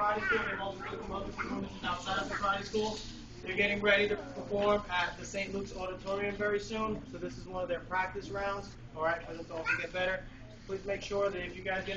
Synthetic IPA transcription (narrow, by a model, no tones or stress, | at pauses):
aɪɾɨsuɨvɔlˠsokɪkə̃mʌʊvəsɨ̃ũmɨ̃ɨ̃naʊtsaɪɾʌvðəpɹaɪɾiskulˠ | ðə˞ɡɛɾɪ̃ŋɹɛɾiɾɨpʰə˞fɔɹmət̪̚ðɨsẽɪ̃nʔˡluksɔɾɨtʰɔɹiɨ̃ɱvɛɹisũnsoʊðɪsɨzwʌ̃nʌvðə˞pʰɹ̥æk̚tɨsə˞ãʊ̃ndz̥ | ɑlˠɹaɪt̚kʰəðɪsɔlˠsoɡɛt̚b̥ɛɾə˞ | pʰl̥izmeɪkʃʊɹðɨɾɨfjɨɡaɪzɡɛ